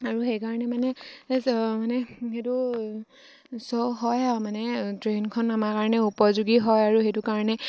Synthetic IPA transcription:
aɹuxejkaɹɔnɛmanɛ | manɛxetu | sɔwɦɔjamanɛtɹenkʰɔnamakaɹɔnɛupɔzuɡiɦɔjaɹuxejtʊkaɹɔnɛ

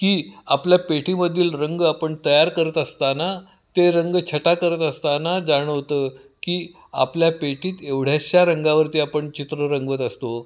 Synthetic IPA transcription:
kiːapljapeʈʰiməd̪ʱːiːlɾəŋɡapəɳt̪əjaɾkəɾət̪əst̪ana | t̪eɾəŋɡt͡ɕʰəʈakəɾət̪əst̪anad͡zaɽ̃əʋt̪ə | kiː | apljapeʈiːt̪eʋɽ̤jaɕjaɾəŋɡaʋəɾt̪iapəɳt͡ɕit̪ɾəɾəŋɡʋət̪əst̪o

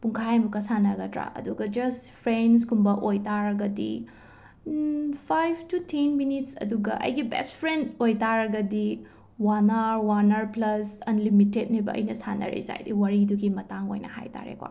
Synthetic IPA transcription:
puŋkʰajmukɐsanɐɡɐdɾa̰ʔɐ̰duɡɐd͡ʒɐspʰɾens̬ɡumbɐʔojtaɾɐɡɐdḭ | pʰajbtutʰenminitsɐ̰duɡɐ̰ʔɐ̰jɡibḛspʰɾendojtaɾɐɡɐdi | wanɐɾwanɐɾplɐsɐnlimitet̚nibɐɐ̰jnɐsanɐ̰ɾḭza̰jdiwɐɾiduɡimɐtaŋo̰jnɐ̰ha̰jtʰa̰ɾḛkwa̰

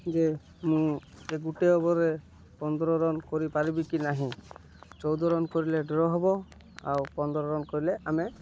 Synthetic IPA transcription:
d͡ʒe | mũ | eɡuʈeɔbɔɾe | pɔnd̪ɾɔɾɔnkoɾipaɾibikinaɦĩ | t͡ʃɔwd̪ɔɾɔnkoɾileɖɔɾɔɦɔbɔ | a̰wpɔnd̪ɾɔɾɔnkoɾileame

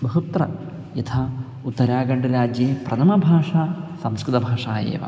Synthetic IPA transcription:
bɐɦut̪rɐ | jɐt̪ʰa | ut̪ːɐɾaːɡɐɳɖɐɾaːd͡ʒjɐprɐt̪ʰɐmɐbʱaːʂaːsɐmskɾɨt̪ɐbʱaːʂaːjḛːʋɐ̰

